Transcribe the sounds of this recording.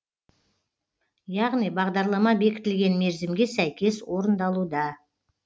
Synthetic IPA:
jɑʁnijbɑʁd̪ɑɾlˠɑmɑbe̞kʲɪ̥t̪ɪlɡʲe̞nme̞ɾzɪmɡʲe̞sæjkʲe̞swo̞ɾənd̪ɑlˠud̪ɑ

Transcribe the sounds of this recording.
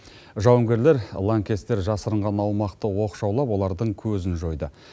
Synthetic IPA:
ʒɑwəŋɡʲe̞ɾle̞ɾlˠaŋkʲe̞st̪ːe̞ɾʒɑsəɾəɴʁɑnɑwmɑqt̪əwo̞qʃɑwlˠɑpwo̞lˠɑɾd̪əɴkʲʰɵzɪnʒo̞jd̪ə

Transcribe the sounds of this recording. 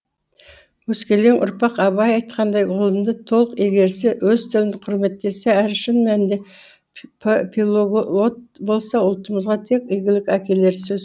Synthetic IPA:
wɵskʲe̞lɡeŋʔʊ̰ɾpɑqɑbɑjɑjt̪qɑnd̪ɑjʁəlˠəmd̪ət̪ʰo̞lˠəqe̞ɡʲe̞ɾsɪwɵzt̪ʰɪlɪnɪqʰʊɾme̞t̪ːe̞seæɾʃənmænd̪e̞ | pʰʲiloɡ̪ot̪̚bo̞lˠsɑʊlˠt̪əməzʁɑt̪ʰe̞kʲɪjɡʲɪlɪkʲækʲe̞le̞ɾsɵz

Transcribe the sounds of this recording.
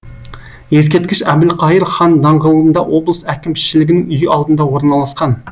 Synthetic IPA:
jes̬kʲet̪̚kʲɪʃæbd̪ɪlqʰɑjəɾχɑnd̪ɑɴʁəlˠəənd̪ɑwʔo̞blˠəsækʲɪmʃɪlɪɡʲɪnɪŋʏjɪʔɑlˠd̪ənd̪ɑwo̞ɾnɑlˠɑsqɑn

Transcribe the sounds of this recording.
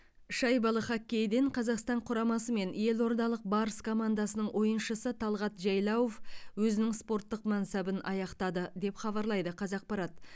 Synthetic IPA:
ʃɑjbɑlˠəχɑkʲːe̞jd̪eɴqʰɑzɑqst̪ɑɴqʰʊɾɑmɑsəme̞nje̞lo̞ɾd̪ɑlˠəq̚bɑɾəskʰo̞mand̪ɑsənəɴwʔo̞jənʃəsət̪ʰɑlˠʁɑt̪ʒɑjlˠɑwofwɵzɪnɪŋspo̞ɾt̪ːəqmænsæbɪnʔɑjɑqt̪ɑd̪əd̪e̞pχɑβɑɾlˠɑjd̪əqʰɑzɑq̚pɑɾɑt̪

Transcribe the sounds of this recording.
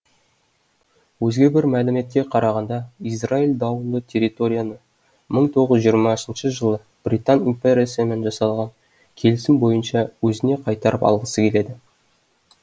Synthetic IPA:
wɵzɡʲe̞bɪɾmælɪme̞t̪̚kʲe̞qʰɑɾɑʁɑnd̪ɑisrailʲd̪ɑwənd̪ət̪ʲʰe̞ɾʲit̪o̞ɾʲijanə | məɴt̪ʰo̞ʁəzʒijːəɾmɑsənʃəʒəlˠə | b̥rit̪animpʲeɾʲijasəme̞nʒɑsɑlˠʁɑn | kʲʰe̞lɪsɪmbo̞jənʃɑwɵzɪne̞qʰɑjt̪ɑɾəpɑ̰lˠʁəsəkʲʰe̞le̞d̪ɪ

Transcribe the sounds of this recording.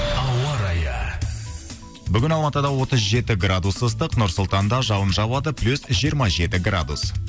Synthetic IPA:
ɑwɑɾɑjə̰ | bʏɡʲɪnɑlˠmɑt̪əd̪ɑwo̞t̪əzʒe̞t̪ɪɡrad̪usəst̪əqnʊɾsʊlˠt̪ɑnd̪ɑʒɑwənʒɑbˠɑd̪əplʲusʒijəɾmɑʒe̞t̪ɪɡra̰d̪us

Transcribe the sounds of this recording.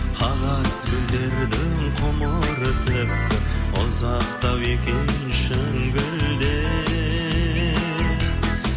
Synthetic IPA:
qʰɑnɑszɡʲɪld̪e̞ɾd̪ɪŋqʰoməɾət̪ʰp̚t̪ɪʊzɑqt̪ɑwekʲen | ʃɪ | ɡʲɪld̪e

